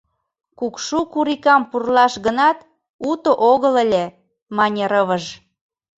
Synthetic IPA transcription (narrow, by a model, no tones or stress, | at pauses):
kukʃukuɾikɑmpurlɑʃɣənɑt̪ | ut̪oʔoɣələlʲe | mɑnʲeɾəβəʒ